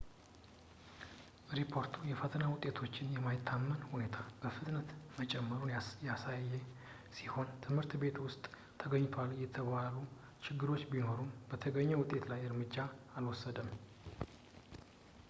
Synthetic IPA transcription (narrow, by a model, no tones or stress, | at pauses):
ɾipʰo̞ɾt̪ʰujɛfət̪ʰənawʊt̪ʼːet̪ʰo̞t͡ʃːɪnjɛmajɪt̪ʰːamːənhune̞t̪ʰab̥əfɨt̪nət̪mət͡ʃʼɛmːəɾunjasajːɛ | siho̞nt̪ʰɨmhɨɾt̪be̞t̪wʊst̪ʼːʰ | əɡəɲːt̪ʰoaljɛt̪ʰəβalu | t͡ʃʰɪɡːɨɾo̞t͡ʃːbino̞ɾunb̥ət̪ʰəɡəɲːɛwʊt̪ʼːe̞t̪lajɨɾmɨd͡ʒːaalwɔsːəd̪əm